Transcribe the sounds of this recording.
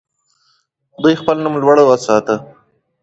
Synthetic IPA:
d̪ujxpəlnumlwaɽəwəsɑt̪ə

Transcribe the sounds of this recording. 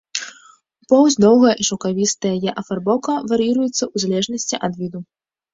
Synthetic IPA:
upɔwzʲd̪ɔwɣɐjʔiʂɐkavʲist̪ɐjɐjɛʔɐfarbɔkɐvɐɾɨjiɾujɛt̪sːɐʔuzalʲɛʐnɐsʲt͡sʲiʔɐd̪vʲid̪u

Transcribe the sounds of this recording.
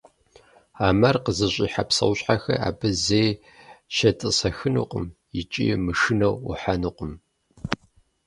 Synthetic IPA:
aːmɐrqəzɨɕʼiːħapsɐ̰wɕʼħaxɐ̰a̰ːbɨzej | ʃɐtʼɨsɐxɨnɨ̰qʷʼʊ̰mjɪt͡ʃʼḭːmɨʂɨnɐwṵħanɨqʷʼʊm

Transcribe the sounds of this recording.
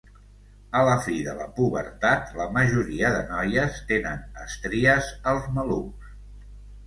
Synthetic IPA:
ələfiðələ̰puβə̰ɾt̪at̪ləməʒuɾiəðənɔjəst̪enənə̰st̪ɾiəzəlˠzməlums

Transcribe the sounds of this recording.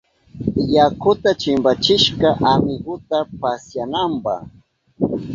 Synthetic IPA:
jakʊt̪at͡ʃɪmbat͡ʃɪʃkaʔamɪɡʊt̪apasjanampɑ̰h

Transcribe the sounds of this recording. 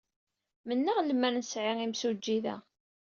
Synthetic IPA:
mənːəʁlmænnəsʕɪʁimsud͡ʒːiðæ̰

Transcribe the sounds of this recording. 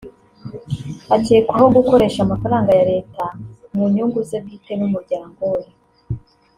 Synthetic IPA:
aceːkwahoɡuko̞ɾe̞ʃamafaɾaːŋɡajaɾe̞ːtanuɲuːŋɡuzebɡiːtemumuɾɟeɾaŋɡoːje

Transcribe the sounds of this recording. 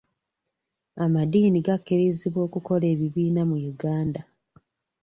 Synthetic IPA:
amadiːniɡakːeɾeziβo̞ːkuko̞le̞ːβiβiːnamujuɡaːnda

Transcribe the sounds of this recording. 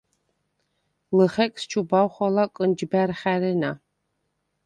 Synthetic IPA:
lɨχɛkʼst͡ʃʰubawχʷɔlɐkʼɨnd͡ʒbærχæɾɨna

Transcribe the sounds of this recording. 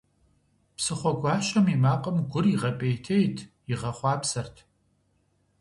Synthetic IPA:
psɨχʷɔɡʷɑːʃʼɐmimaːqʼɐmɡʷʊriʁɐpʼejtʰejtʰ | ɪʁɐχʷɑːpsɐrtʰ

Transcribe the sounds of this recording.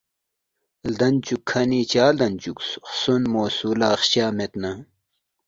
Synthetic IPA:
ld̪ɐnt͡ɕukʰːɐniːt͡ɕaːld̪ɐnt͡ɕuksxsunmoːsuːlaːχɕaːmet̪na

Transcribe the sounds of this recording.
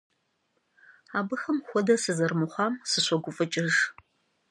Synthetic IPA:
aːbɨxɐmxʷɔdɐsɨzɐrmɨχʷɑːmsɨɕʷɔɡʷʊfʼɨt͡ʃʼɪʒ

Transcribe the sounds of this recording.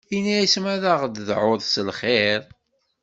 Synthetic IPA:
inːæjismæðaʁd̪ðʕʊðˤsəlχeɾˤ

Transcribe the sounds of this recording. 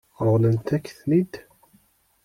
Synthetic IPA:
ɾˤʁlənt̪ækːθnid̪

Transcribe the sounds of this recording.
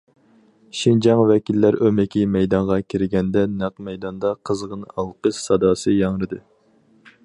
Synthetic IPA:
ʃind͡ʒɑŋvɛkʲʰilːæɾømɪkʲimɛjd̪ɑɴʁɑkʲʰiɾɪɡʲɛnd̪ɛnæqmɛjd̪ɑnd̪ɑqʰəzʁənɑlˠqəʃsɑd̪ɑːsɨjɑŋɾɨd̪ɨ

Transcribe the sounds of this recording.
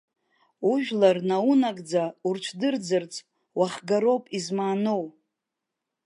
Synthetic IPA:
uʒᶣlarnaunakʼd͡zaurt͡ʃʷʰdɨrd͡zɨrt͡sʰʼ | waχɡaɾo̞wpʼizmaːnow

